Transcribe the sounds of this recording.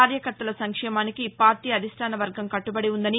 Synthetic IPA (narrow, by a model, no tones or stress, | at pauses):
aːɾjɐkɐɾt̪ɐlɐsɐŋkʂɛːmaːnikipaːɾʈiːɐd̪ʱisʈʰaːnɐʋɐɾɡɐmkɐʈːubɐɽiund̪ɐni